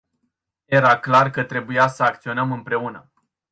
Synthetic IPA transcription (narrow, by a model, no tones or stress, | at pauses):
je̞ɾaklarkət̪ɾe̞bujasəakt̪sio̞nəmɨmpɾe̞unə